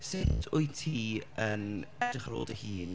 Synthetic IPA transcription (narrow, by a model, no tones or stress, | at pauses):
sɪdʰʊjtʰiːənɛd̥ɪχaɾo̰ːdəhiːn